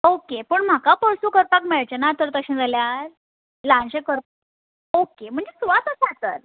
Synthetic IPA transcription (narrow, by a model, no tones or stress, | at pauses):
okepəɳm̤akapəɭsuːkəɾpakmeɭt͡ɕenat̪əɾt̪əɕẽd͡zʱaljaɾ | lãnɕẽkəɾ | okem̤əɳd͡zesuʋat̪əsat̪ə̰ɾ